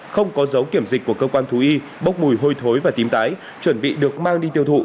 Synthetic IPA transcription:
xə˧wŋ͡mkɔ˨˦zə˨˦wki˧˩əmzi˨˩k̟̚ku˧˩əkəː˧kwaː˧nt̪ʰu˨˦ʔi˧ | ɓə˦˥wk͡p̚mu˨˩jɦo˧jt̪ʰo˨˦jvaː˨˩t̪i˨˦mt̪aː˨˦j | t͡ɕwə˧˩nɓḭ˧˨ɗɨ˨˩ək̚maː˧ŋɗi˧t̪i˧əwt̪ʰṵ˧˨

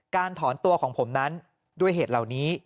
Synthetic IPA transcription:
kaː˧nt̪ʰɔː˩˦nt̪u˧ɐkʰɔː˩˦ŋpʰo˩˦mna˦˥n | du˥˩əjɦeː˨˩t̪̚la˨˩wniː˦˥

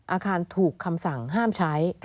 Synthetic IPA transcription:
ʔaː˧kʰaː˧nt̪ʰuː˨˩kʰːa˧msa˨˩ŋɦaː˥˩mt͡ɕʰa˦˥jk

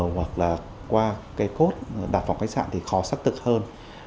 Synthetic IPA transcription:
wɦwa˨˩k̚laː˨˩ | kwaː˧kaː˨˦jko˦˥t̚ɗaː˨˩fa˨˩wŋ͡mka˦˥jk̚sa̰ː˧˨nt̪ʰi˨˩xɔ˨˦sa˦˥k̚t̪ʰɨ˨˩k̚həː˧n

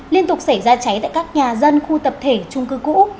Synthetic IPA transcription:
li˧ənt̪ʊ˨˩k͡p̚sa˧˩jzaː˧t͡ɕa˨˦jt̪a̰ː˧˨jkaː˦˥k̚ɲaː˨˩zə˧nxu˧t̪ə˨˩p̚t̪ʰe˧˩t͡ɕʊ˧ŋ͡mkɨ˨˦kṵ˧˥

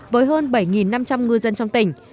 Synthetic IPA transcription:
vəː˨˦jɦəː˧nɓə˧˩jŋi˨˩nːa˧mt͡ɕa˧mŋɨ˧jzə˧nt͡ɕɔ˧wŋ͡mt̪ï˧˩ŋ̟

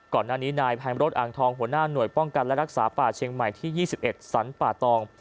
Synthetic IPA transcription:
kɔː˨˩nːaː˥˩niː˦˥naː˧jpʰɛː˧mɾo˦˥t̪̚ʔaː˨˩ŋt̪ʰɔː˧ŋɦu˩˦ənaː˥˩nu˨˩əjpɔ˥˩ŋka˧nlɛ˦˥ɾa˦˥k̚saː˩˦paː˨˩t͡ɕʰi˧ŋma˨˩jt̪ʰiː˥˩jiː˥˩si˨˩p̚ʔe˨˩t̪̚sa˩˦npaː˨˩t̪ɔː˧ŋ

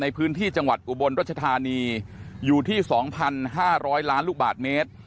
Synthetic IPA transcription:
na˧jpʰɯː˦˥nt̪ʰiː˥˩t͡ɕa˧ŋwa˨˩t̪̚ʔu˨˩bo˧nɾa˥˩t͡ɕʰa˧t̪ʰaː˧niː˧juː˨˩t̪ʰiː˥˩sɔː˩˦ŋpʰa˧nɦaː˥˩ɾɔː˦˥jlaː˦˥nlu˥˩k̚ba̰ː˨˩t̪̚meː˦˥t̪̚

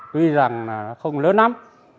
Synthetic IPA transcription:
t̪wi˧za˨˩ŋnaː˨˩nɔ˨˦xə˧wŋ͡mləː˨˦nːa˨˦m

